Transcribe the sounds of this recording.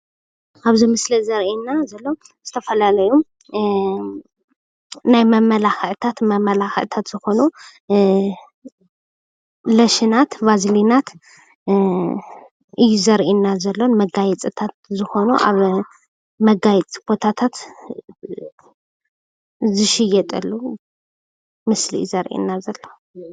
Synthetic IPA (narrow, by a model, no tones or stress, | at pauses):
ʔaβzimɨslɐzɐɾʔinːazɐlːo̞ | zɨt̪ʰɐfɐlalɐju | najmɐmɐlaxʔt̪ʰat̪mɐmɐlaxɐ̰ʔt̪ʰat̪z̥ɨxo̞nu | lɐʃinat̪vazlinat̪ | ʔɨjːuzɐɾʔinːazɐlːonmɐɡajɛt͡sʼɨt̪ʰat̪̚zɨxo̞nuʔa̰β | mɐɡajɛt͡sʼkʰo̞t̪ʰat̪ʰat̪ | zɨʃɪjɛt̪ʼɐlːu | mɨslḭzɐɾʔḭnːazɐlːo